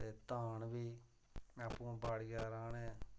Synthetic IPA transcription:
eːt̪aːnʋiː | aːpũːbaːɽijaːɾãːnɛ̃ː

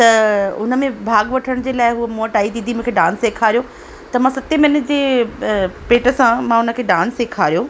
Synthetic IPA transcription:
t̪ɐʊnə̆mẽbʱaːɡʋɐʈʰəɽ̃d͡ʑeːlaːɪɦuəmoːʈaːid̪iːd̪ʱimũkʰeɖãːnseːkʰaːɾijo | t̪ɐmãsɐt̪imɐnəʈd͡ʑeː | peːʈə̆sãmãːʊnə̆kʰeːɖãːnseːkʰaːɾijoː

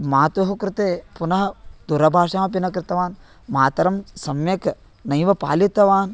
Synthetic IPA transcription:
maːt̪ʋɐɦukɾɪt̪eːpunɐɦɐd̪uɾɐbʱaːʂaːmɐp̬inɐkɾɪt̪ɐʋaːn | maːt̪ɐɾɐmsɐmjɐk | nɐjʋɐpa̰ːlit̪ɐʋaːn

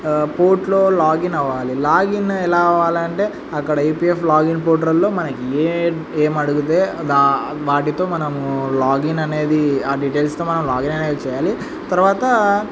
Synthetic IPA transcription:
poːɾʈlo̞ːlaːɡinɐʋaːlilaːɡinɛlaːʋaːlɐɳʈe̞ː | ɐkːɐɽɐɐjpiːeflaːɡinp̬oːʈɾɐlːo̞ːmɐnɐkie | eːmɐɽuɡut̪e̞ːd̪aː | ʋaːʈit̪o̞ːmɐnɐmulaːɡinɐne̞ːd̪iaːɖiːʈeːlst̪o̞ːmɐnɐmlaːɡinɐneːd̪it͡ʃɛːjaːli | t̪ɐɾuʋaːt̪ɐ

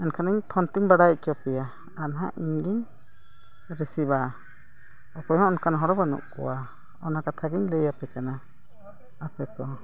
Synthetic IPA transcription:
ɛnkʰanəɲt̪ʰɔnt̪iŋbaɽaj̚kɔpɛja | anɦaʔiɲɡiɲ | ɾisiba | ɔkɔjhɔ̃ɔnkanɦɔɽɔbanṵʔkɔ̰wa | ɔnakat̪ʰaɡiɲləjapɛkana | apɛkɔ

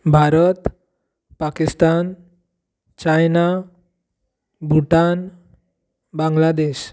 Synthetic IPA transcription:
bʱaɾət̪ | pakist̪an | t͡ɕajna | bʱuʈan | baŋɡlad̪eɕ

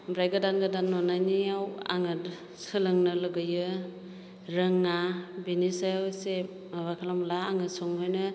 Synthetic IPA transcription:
bɾajɡɯdanɡadanːɔnajniawa̰ŋɯt | sɯlɯŋnɯlɯɡɯjɯ | ɾɯŋːabinisajase | βakʰalamlaːŋɯsɔŋhɔjnɯ

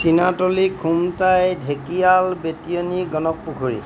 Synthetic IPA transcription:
sinatolikʰumtajdʱekijalbetioniɡɔnɔk̚pukʰuɹḭ

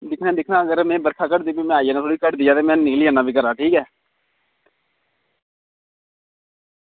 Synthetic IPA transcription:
d̪ɪkʰnɛːd̪ɪkʰnãːəɡəɾmɛ̃ːbəɾkʰaːkəʈd̪iːbiːmɛ̃ːaːiaːnãːt̪ʰoːɽiːkəʈd̪iːjaːt̪eːmɛ̃ːnɪkliːaːnaːbʱiːkəɾaːʈʰiːkɛː

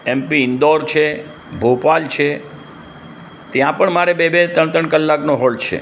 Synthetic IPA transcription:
ɛmpiɪnd̪ɔɾt͡ʃʰe | bʱopalt͡ʃʰe | t̪jãpəɳmaɾebebet̪əɳt̪əɳkəlːaknoɦɔlt͡ʃʰḛ

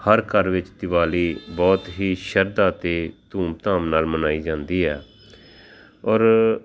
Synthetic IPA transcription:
həɾkəɾʋɪt͡ʃt̪ɪʋaːliːbɔːt̪ɦiːʃəɾd̪aːt̪eːt̪uːmt̪aːmnaːlmənaːiːd͡ʒãːnd̪iːɛː | ɔːɾ

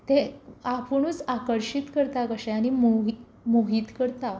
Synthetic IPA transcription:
t̪eapəɳut͡sakəɾɕit̪kəɾt̪akəɕɛañimui | muɦiːt̪kəɾt̪a

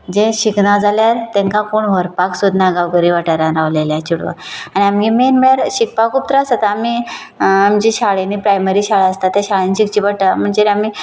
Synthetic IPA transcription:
d͡ʑeɕiknad͡zaljaɾt̪ẽŋkãkoːɳʋəɾpaksud̪naɡaʋɡəɾiːʋaʈaɾãɾaʋleljat͡ɕuɽʋə̰aɽ̃iamɡimenmeɾɕik̚pakʰuːp̚t̪ɾasat̪aami | amd͡ʑiɕaɭeniːpɾajmeɾiːɕaɭaəst̪at̪ːjaɕaɭeniɕikt͡ɕiʋəʈam̤əɳd͡zeɾami

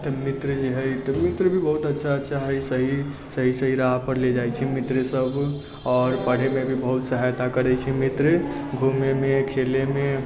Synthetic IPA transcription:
t̪ɔmit̪ɾəd͡ʒeɦəjt̪ɔmit̪ɾbʱibəɦut̪ətːʃʰaətːʃʰaɦəsəɦisəɦisəɦiɾaɦapəɾled͡ʒajt͡ʃʰimit̪ɾsəb | ɔːɾpəɽ̤emebʱibəɦut̪səɦajt̪akəɾɛt͡ʃʰimit̪ɾə | ɡʱumemekʰeleme

